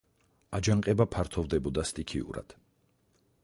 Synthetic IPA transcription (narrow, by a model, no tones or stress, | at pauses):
ad͡ʒaŋqʼɛbapʰaɾt̪ʰɔvd̪ɛbɔd̪ast̪ʼikʰḭṵɾa̰d̪̥